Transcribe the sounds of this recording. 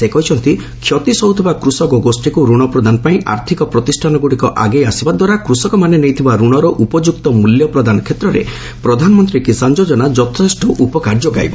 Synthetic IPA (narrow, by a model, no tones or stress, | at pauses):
sekɔɦit͡ʃʰɔnt̪i | kʰjɔt̪isɔɦut̪ʰibakɾusɔkɔɡosʈikuɾuɽ̃ɔpɾɔd̪ʱanɔpaĩʔa̰ɾt̪ʰikɔpɾɔt̪isʈʰanɔɡuɽikɔʔaɡejasibad̪waɾakɾusɔkɔmanenejt̪ʰibaɾuɽ̃ɔɾɔʔupɔd͡ʒukt̪ɔmuljɔpɾɔd̪anɔkʰet̪ɾɔɾḛ | pɾɔd̪ʱanɔmɔnt̪ɾikisand͡ʒod͡ʒɔnad͡ʒɔt̪ʰesʈɔʔupɔkaɾd͡ʒoɡa̰jbɔ